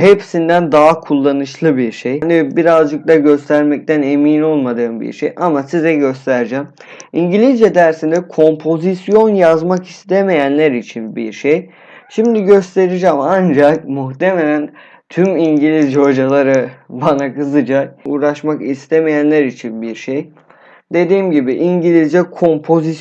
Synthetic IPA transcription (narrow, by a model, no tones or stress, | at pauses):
hepsind̪ænd̪aɦakʰulˠːanɯʃlˠɯbiɾʃejanibiɾazd͡ʒɯk̚d̪aɟø̞st̪ʰæɾmɛc̚t̪ʰæne̞miːno̞lˠmad̪ɯːmbḭɾʃejʔamasizɛɟø̞st̪ʰæɾd͡ʒæm | iɲɟilʲizd͡ʒɛd̪æɾsind̪ɛkʰo̞mpʰo̞zisjo̞njazmakist̪ʰeme̞jænlʲæɾit͡ʃʰinbḭɾʃej | ʃimd̪iɟø̞st̪ʰe̞ɾid͡ʒɛmand͡ʒakmuxt̪ʰe̞me̞lʲæn | t̪ʰymiɲɟilʲizd͡ʒo̞d͡ʒalˠaɾɯbanakɯzɯd͡ʒak̚uːɾaʃmakist̪ʰe̞me̞jænlʲæɾit͡ʃʰinbiɾʃej | d̪̥e̞d̪iːmɟibiʔiɲɟilʲizd͡ʒɛkʰo̞mpʰo̞zis